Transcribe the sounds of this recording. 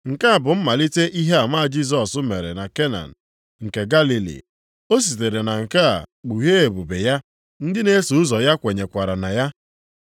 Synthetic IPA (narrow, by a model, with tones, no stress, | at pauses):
ŋ̩˨ka˦a˨bʊ˨m̩˦ma˨li˦te˦ʔi˦ɦe˦a˨ma˦a˨d͡ʒi˦z̬ɔ˨sʊ˦me˨ɾḛ˨na˨ke˦na̰˨n̩˨ | ŋ̩˨ke˨ɡa˦li˦lḭ˨ | o˦s̬i˨te˨ɾe˨na˨ŋ̩˨ka˦a̰˨k͡pu˨ɦe˦e˨bu˨be˨ja˦ | n̩˦dɪ˦ne˦su˨ʊ˦zɔ˨ja˦kʷe˨ɲe˨kʷa˨ɾa˨na˨ja˦